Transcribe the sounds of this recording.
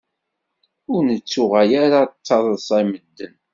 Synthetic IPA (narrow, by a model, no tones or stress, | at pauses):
ʊɾnət͡sːʊʁæjaɾat͡sːɑðˤəsˤɑməd̪ːən